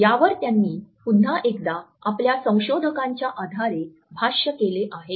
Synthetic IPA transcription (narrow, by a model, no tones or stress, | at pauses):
jaʋəɾt̪janːiːpud̪ʱːaʔek̚d̪aapljasə̃w̃ɕod̪ʱəkãɲt͡ɕjaʔad̪ʱaɾe | bʱaɕəkeleʔaɦe